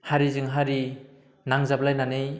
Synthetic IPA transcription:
haɾizɯŋɦaɾi | naŋzablajnanej

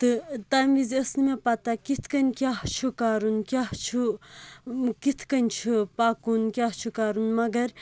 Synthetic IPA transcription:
t̪ɨt̪aːmizɐsnɨmepat̪akit̪ʰkɐnʲkʲjaːht͡ʃʰukaːɾunkʲjaːɦt͡ʃʰu | kit̪ʰkɐnʲt͡ʃʰupaːkunkʲaːɦt͡ʃʰukaːɾunmɐɡɐɾ

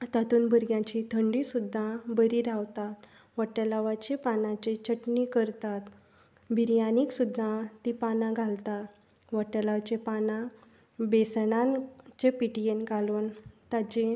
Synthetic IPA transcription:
t̪at̪uːnbəɾɡjãt͡ɕit̪ʰəɳɖisud̪ʱːabəɾiːɾaʋt̪at̪ | ʋəʈəlaʋat͡ɕepanãt͡ɕet͡ɕəʈnikəɾt̪at̪ | bʱiɾjaniːksud̪ʱːat̪ipanãɡʱalt̪a | ʋəʈəlaʋt͡ɕepanã | besnãnt͡ɕepiʈijenɡʱaluːnt̪at͡ɕe

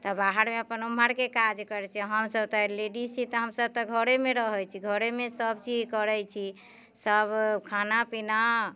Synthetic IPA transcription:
t̪əbaɦaɾmeəpənumbʱaɾkekad͡ʒkəɾɛt͡ʃʰɛɦəmsəbt̪ɔleɖisit̪ɔɦəmsəb̚t̪ɔɡʱəɾemeɾəɦəjt͡ʃʰiɡʱəɾemesəbt͡ʃid͡ʒkəɾɛjt͡ʃʰi | səbkʰanapina

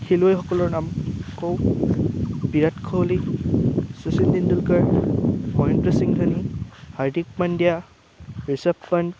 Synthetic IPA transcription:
kʰiluɔjɦɔkɔlɔɹnamkʰɔw | biɾatkʰɔwli | susindindulkaɹmɔjntɾɔsiŋtʰanihaɹdik̚mandija | ɹisappan

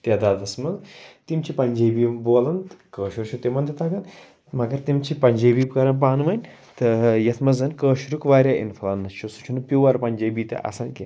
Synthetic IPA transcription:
t̪ʲɐd̪aːd̪ɐsmɐzt̪imt͡ʃʰipɐnʲd͡ʒeːbiːmboːlɐnkəːʃuɾt͡ʃʰut̪imɐnd̪it̪ɐɡɐn | mɐɡɐɾt̪imt͡ʃʰipɐɲʲd͡ʒeːbiːbkɐɾɐnp̬aːnʋɐnʲ | t̪ɨjɐt̪ʰmɐzɐnkəːʃuɾukʋaːɾʲjaːʔḭnfɐlɐnːɐt͡ʃʰusu̥t͡ʃʰunɨpʲiwʋɐɾpɐnʲd͡ʒɐːbiːt̪ɐ̰ʔɐ̰sɐnki

